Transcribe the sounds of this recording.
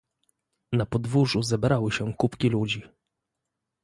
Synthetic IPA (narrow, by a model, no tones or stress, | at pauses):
napɔd̪vuʐuzɛbɾawɘɕɛkupkʲilud͡ʑi